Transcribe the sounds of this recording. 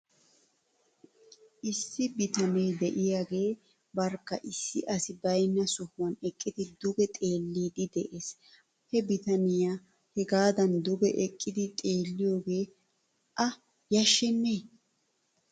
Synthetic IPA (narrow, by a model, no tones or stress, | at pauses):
ʔɪsːɪbɪt̪ɐnɛjd̪ɛʔɪjaːɡe̞ː | bɐɾkːɐ̰ʔɪsːɪʔɐsɪbɐjnːɐsʊhʊwɐnɛkʼːɪd̪ɪd̪ʊɡɛt̪ʼe̞ːlːiːd̪ɪd̪ɛʔe̞ːs | hɛbɪt̪ɐnɪja | hɛɡaːd̪ɐnd̪ʊɡɛʔɛkʼːɪd̪ɪt̪ʼe̞ːlːɪjo̞ːɡe̞ː | ʔɐ | jɐʃːɛnːeː